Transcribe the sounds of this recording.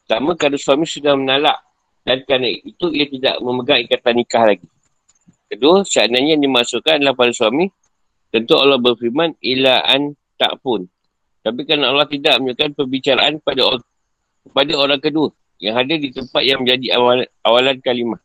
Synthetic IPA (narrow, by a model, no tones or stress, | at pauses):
t̪amãkadasuamĩsudahmənalaʔ | dankɾanait̪uiat̪ida̰ʔməməɡaŋikat̪anikahlaɡi | kədʊsəanaɲanimaʔsukanlahpadasuamĩ | t̪ənt̪ualːɔhbərfimanilaʔa̰n | t̪a̰ʔpʊn | t̪apikanaʔalːɔht̪idaʔ̚məɲd͡ʒukanpəbit͡ʃaɾaʔanpada | kəpadaoɾaŋkədʊr | jaŋɦadɪrdit̪əmpat̪̚jaŋmə̃ɲd͡ʒadiawalankalima